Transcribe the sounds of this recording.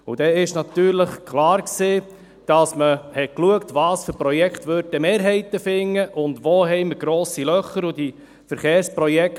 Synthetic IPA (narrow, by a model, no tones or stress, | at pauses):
ʊd̥ɛɪʃnɑt̪yːɾləχkʰlɑːɾkseː | d̥ɑsməhɛtkluəktvɑːsføɾpɾɔjɛkχt̪ʋøɾdəmeːɾɦɛɪt̪əfɪŋːəʔʊndʋoːɦɛɪməɾɡ̥ɾoːsilœχːəɾʊdi | fəɾχeːɾspɾɔjɛk